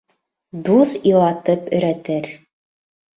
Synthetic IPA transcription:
d̪uðilˠɑt̪ɤpɵ̆ɾæt̪ɘɾ

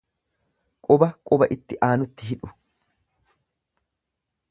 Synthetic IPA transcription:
kʼɔbɐkʼʊbɐʔɪt̪ːɪʔaːnʊt̪ːɪɦɪᶑʊ̥

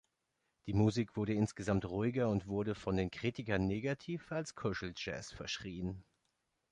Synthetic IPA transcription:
d̥iːmuziːkv̥ʊɐɾəɪnsɡ̥əzamtʁuɪɡɐʊntv̥ʊɐɾəfɔndeːnkʁ̥iːtɪkɐnːeːɡatʰiːfalskʰʊʃl̩d͡ʒɛ̰ːsfɛɐʃʁ̥iːən

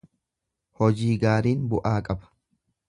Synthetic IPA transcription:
hɔd͡ʒiːɡaːɾiːnbʊʔaːkʼɐbɐ̥

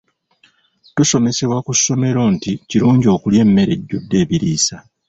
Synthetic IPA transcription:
tuso̞me̞se̞βwakusːo̞me̞ɾo̞ːnticiɾuːɲɟio̞ːkulje̞ːmːe̞ɾe̞ɟːo̞dːe̞ːβiɾiːsa

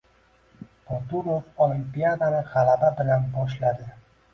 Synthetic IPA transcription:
pot̪uɾofolimpijad̪anɪʁalababɪlanbɒʃ̬lad̪ɪ

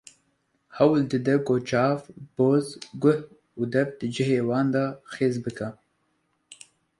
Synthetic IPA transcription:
hɐwld̪ɨd̪ɐkoːt͡ʃɑːfb̥oːzɡʷʊh | ud̪ɐfd̪̥ɨd͡ʒɪɦeːwɑːnd̪ɑːxeːzbɨkʰa

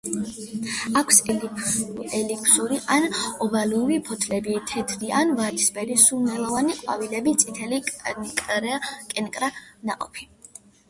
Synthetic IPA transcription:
akʷʰs | ɛlikʰsuɾiʔanɔbaluɾipʰɔt̪ʰlɛbit̪ʰɛt̪ʰɾianvaɾisbɛɾisunɛlˠɔvaniqʼwa̰vilɛbit̪sʼit̪ʰɛlikʼɾkʼɛnkʼɾanaqʼɔ̰pʰi

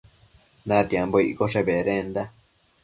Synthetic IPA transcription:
nãt̪jamboiʔkoʂeβeɾẽnd̪a

